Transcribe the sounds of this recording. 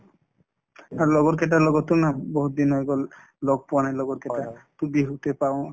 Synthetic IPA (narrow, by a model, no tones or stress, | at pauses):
aɾlɔɡɔɾkɛʈ̬alɔɡɔt̪ːunabɔɦut̪̚d̪inɔeɡɔl | loɡ̚puanalɔɡɔɾkeʈat̪ubiɦut̪epaw